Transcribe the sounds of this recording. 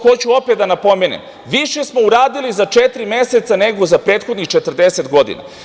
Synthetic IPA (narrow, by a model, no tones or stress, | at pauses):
xo̞t͡ɕuo̞pet̪d̪anapo̞menḛm | ʋiʃe̞smo̞uɾaːd̪ilizat͡ʃet̪ɾimjese̞t̪sane̞ɡo̞zapɾeːt̪xo̞d̪nixt͡ʃet̪r̩d̪ese̞t̪ɡo̞d̪ḭna̰